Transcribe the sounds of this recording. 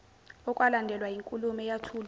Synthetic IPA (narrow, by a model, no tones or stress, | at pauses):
ɔkʼwalandʱɛlwajiŋkʼulumɛjatʰuːl